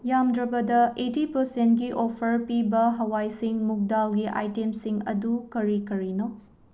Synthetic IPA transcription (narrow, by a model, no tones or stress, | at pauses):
jamdɾɐbɐdɐʔetipɐɾsent̚ɡiʔopʰɐɾpibɐɦɐwajsiŋmuk̚dalɡiʔa̰jtemsiŋɐ̰dukɐɾikɐɾino